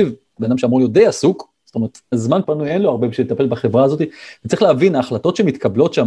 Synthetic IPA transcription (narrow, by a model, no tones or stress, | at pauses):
iv | bead̪amʃeamʁunljod̪ejasuk | z̥ot̪ome̞et̪azmanpanujenloaʁbebʃelet̪ape̞lbaχe̞vʁaːzo̞t̪ive̥t͡sʁiχleavinaːχlato̞tʃemit̪kablo̞tʃa